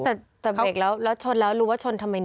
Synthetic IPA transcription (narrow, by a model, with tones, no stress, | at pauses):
t̪ɛː˨˩t̪ɛː˨˩beː˨˩k̚lɛː˦˥wlɛː˦˥wt͡ɕʰo˧nlɛː˦˥ɾuː˦˥waː˥˩t͡ɕʰo˧nt̪ʰa˧ma˧j